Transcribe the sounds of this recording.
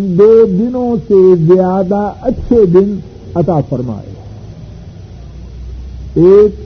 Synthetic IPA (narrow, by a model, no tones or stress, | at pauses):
d̪oːd̪ɪnõsezɪjaːd̪aʔɐt͡ɕʰed̪ɪn | ɐt̪afɐɾma̰ːjo̰ | eːk